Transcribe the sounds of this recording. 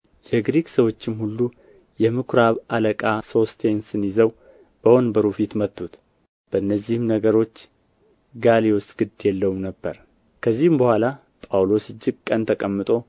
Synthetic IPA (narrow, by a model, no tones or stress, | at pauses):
jɛɡɾiksəwo̞t͡ʃːɪmhulːu | jɛmɨkʰɾaβaləkʼaso̞st̪ʰe̞nsɨnjɪzəw | b̥əho̞nbəɾufit̪mət̪ʼːut̪ | b̥əɨnːəzːihɨmnəɡəɾo̞t͡ʃː | ɡalewost̪ʼɡ̥ɨd̪jɛlːəwmnəbːəɾ | kʰəzːihɨmbəhʷala | pʼawlo̞sɨd͡ʒːɪɡ̚kʼənt̪ʰəkʼəmːɨt̪ʼo̞